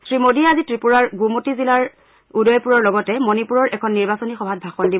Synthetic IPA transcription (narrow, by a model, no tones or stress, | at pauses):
sɹimodiɛazitɹipuɹaɹɡumotizilaɹ | udɔjpuɹɔɹlɔɡɔtɛmonipuɹɔɹʔɛkʰɔnːiɹbasonixɔbʱat̚bʱaxɔndibɔ